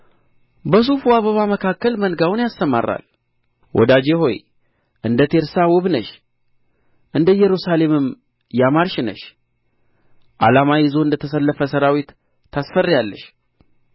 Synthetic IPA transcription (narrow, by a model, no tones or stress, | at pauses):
bəs̬ufuaβəβaməkʰakːəlmənɡawnjast̪əma̰ra̰l | wʔɔ̰d̪ad͡ʒe̞ho̞̰j | ʔɨnd̪ət̪ʰe̞ɾsawɔβnəʃ | ʔɨnd̪əjɛɾusale̞mɨm | jamaɾʃɪnə̰ʃ | ʔa̰lamajɪzo̞ɨnd̪ət̪ʰəsəlːəfəsəɾawit̪ː | asfərːjalːəʃ